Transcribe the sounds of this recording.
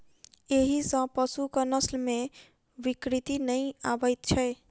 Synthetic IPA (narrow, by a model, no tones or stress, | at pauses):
eɦisə̃pəsukənəslme | bikɾit̪inəjabəjt̪̚t͡ʃʰəj